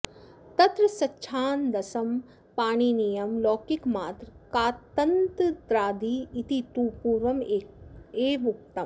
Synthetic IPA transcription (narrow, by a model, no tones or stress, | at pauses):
t̪ɐt̪ɾɐsɐtːʃʰaːnd̪ɐsɐm | paːɳ̃iːnijɐmloːkikmaːt̪ɾkaːt̪ɐnt̪d̪ɾaːd̪iːt̪it̪uːpuːɾʋɐmeeːʋuk̚t̪ɐm